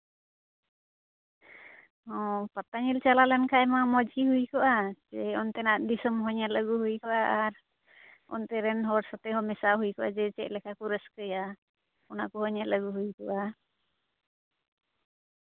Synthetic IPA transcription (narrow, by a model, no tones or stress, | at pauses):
ɔ̃pat̪aɲilt͡ʃalalɛnkʰajmamɔd͡ʒɡiɦujkɔʔad͡ʒɛɔnt̪ɛnaʔd̪isɔmɦɔɲaləɡuhujkɔʔaʔaɾ | ɔ̰nt̪ɛɾɛnɦɔɾsɔt̪ɛɦɔmɛsaɦujkɔʔa̰d͡ʒɛt͡ʃɛʔ̚lɛkʰakuɾɛskəja | ɔnakuhɔɲaləɡuɦujkɔʔa